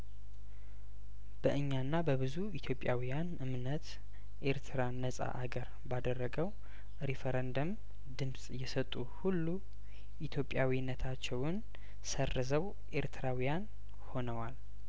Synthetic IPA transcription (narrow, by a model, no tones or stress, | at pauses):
b̥əʔɨɲːanːabəβɨzuit̪ʰjo̞pʼːjawijanɨmnət̪ | ʔe̞ɾt̪ʰɨɾanəsʼa̰ʔaɡəɾ | bad̪ərːəɡəw | ɾifeɾend̪om | d̪ɨmsʼjɛsət̪ʼːuhulːu | ʔit̪ʰjo̞pʼːjawinːət̪ʰat͡ʃːɛwʊn | sərːɨzəw | ʔeɾt̪ʰɨɾawijan | ho̞nəwal